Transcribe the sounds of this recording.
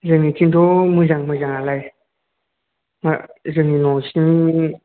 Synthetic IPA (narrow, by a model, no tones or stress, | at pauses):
zɯŋitʰintʰɔmɯzaŋmɯzaŋalaj | ma̰zɯŋinɔsin